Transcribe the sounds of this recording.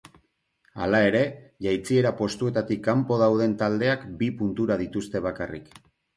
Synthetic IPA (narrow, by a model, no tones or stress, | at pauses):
a̰lae̞ɾe̞ʝajt͡sie̞ɾapo̞st̪ue̞t̪at̪ikːampo̞ð̞awð̞e̞nt̪ald̪e̞akbipunt̪uɾaðit̪ust̪e̞β̞akarḭk